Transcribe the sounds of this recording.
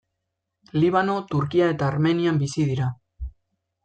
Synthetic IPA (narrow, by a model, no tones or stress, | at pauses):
liβ̞ano̞t̪uɾkiae̞t̪aːɾme̞niambisiðiɾa